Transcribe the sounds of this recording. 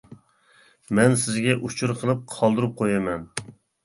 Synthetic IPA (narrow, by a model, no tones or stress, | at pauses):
mɛnsɪzɡʲɛʔut͡ʃʰuɾqʰəlˠɨp̚qʰɑlˠd̪ɨɾɨp̚qʰojɛmɛn